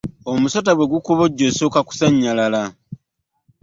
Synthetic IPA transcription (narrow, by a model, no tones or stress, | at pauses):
omusotaɡwe̞ɡukoβo̞ɟːo̞sokaku̥saɲːalala